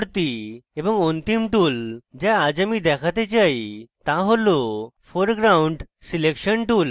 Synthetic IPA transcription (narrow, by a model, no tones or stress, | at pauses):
ɽt̪ieʋə̃ŋɡont̪imʈuːld͡ʑaad͡ʑamiːd̪ɛkʰat̪et͡ɕajit̪aɦolo | foɾɡɾawɳɖ | silekɕənʈuːl